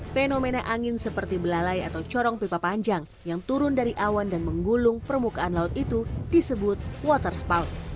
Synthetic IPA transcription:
fenomenaʔaŋɪnsəpərt̪ibəlalaja̰t̪awt͡ʃɔɾɔŋpepapaɲd͡ʒaŋ | jaŋt̪uɾʊndaɾiʔawandanməŋɡulʊŋpərmukaanlaʊt̪̚it̪ud̥isəbʊt̪̚wɔt̪ərspawt̪

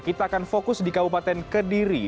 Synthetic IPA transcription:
kit̪aːkanfokʊsdikabupat̪ɛnkədiɾi

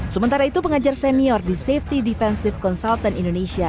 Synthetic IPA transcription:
səmənt̪aɾait̪upəŋad͡ʒarsɛniɔrdiseft̪idifɛnsɪfkɔnsalt̪anindonesia

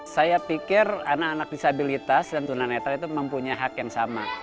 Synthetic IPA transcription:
sajapikɪranakanak̚disabilit̪asdant̪unanet̪alit̪uməmpuɲajɦakjaŋsama

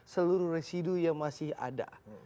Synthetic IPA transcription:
səluɾuhresidujaŋmasɪha̰da̰

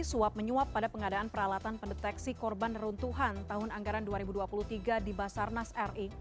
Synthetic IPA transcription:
suap̚məɲuapːadapəŋadaːnpəɾalat̪anpəndɛt̪ɛksikɔrbanrunt̪uɦant̪aɦʊnaŋɡaɾanduaɾibuduapuluht̪iɡadibasarnasɛri

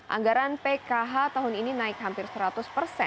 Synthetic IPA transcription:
ʔa̰ŋɡaɾanpekaɦat̪aɦʊnininaɪkɦampɪrsəɾat̪ʊspərsɛ̰

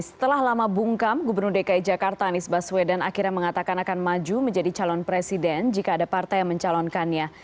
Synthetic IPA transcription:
sə̥t̪əlahlamabuŋkamɡubərnurdekaid͡ʒakart̪aːnisbaswɛdanakiɾaməŋat̪akanakanmad͡ʒuməɲd͡ʒadit͡ʃalɔnpɾesidɛnd͡ʒikaːdapart̪ajaŋməɲt͡ʃalɔnkanɲa

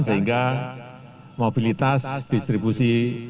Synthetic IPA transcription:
nsaɦiŋɡa | mobilit̪asd̪̥ist̪ɾibusi

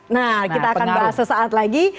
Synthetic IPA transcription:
nakit̪aːkanbaɦasəsaat̪laɡi

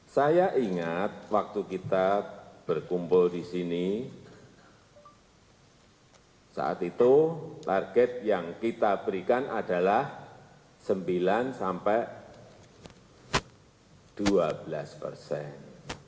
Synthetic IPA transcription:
sajaʔiŋat̪̚wak̚t̪ukit̪ab̥ərkumpʊldisini | sa̰ʔa̰t̪it̪ut̪arɡ̥ɛt̪̚jaŋkit̪ab̥əɾikanʔadalah | səmbilansampɛʔ | d̥uabəlaspə̰rsɛn

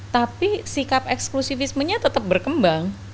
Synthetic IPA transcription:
t̪apisikap̚ɛksklusifɪsməɲat̪ət̪əp̚bərkəmbaŋ

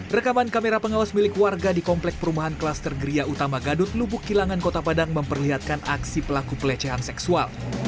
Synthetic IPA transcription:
rəkamankameɾapəŋawasmilɪkwarɡadikɔmplɛk̚pəɾumaɦanklast̪ərɡəɾiaut̪amaɡadʊt̪̚lubʊkːilaŋankot̪apadaŋməmpərliɦat̪̚kanaksipəlakupəlɛt͡ʃɛɦansɛksual

